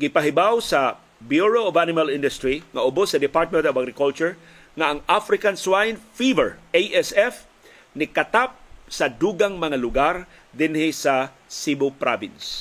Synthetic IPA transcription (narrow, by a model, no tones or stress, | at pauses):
ɡɪpaɦɪbawsɐ | bjuɹoovanɪmalɪnd̪ʊst̪ɾiŋaʊbosːɐd̪ɪpaɹt̪̚mɛ̃nt̪ɔvaɡɾɪkult͡ʃʊɹ | ŋaʔɐŋʔafɾɪkanswajnfivɛɹʔejʔɛsɛf | nɪkat̪ap̚sad̪uɡaŋmɐŋalʊɡaɾ | d̪ɪnhɪsa | sibopɾʔabɪ̰ns